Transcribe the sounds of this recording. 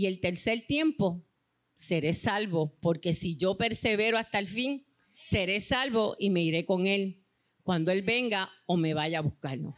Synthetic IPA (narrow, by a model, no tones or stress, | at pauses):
ie̞lt̪e̞ɾseɾt̪je̞mpo̞ | se̞ɾe̞salβo̞po̞ɾke̞siʝo̞pe̞ɾse̞βe̞ɾoast̪alfiŋ | se̞ɾe̞salβo̞ʔime̞iɾe̞ko̞ŋe̞l | kwand̪oelbe̞ŋɡao̞me̞βajaːβuhkaɾlo̰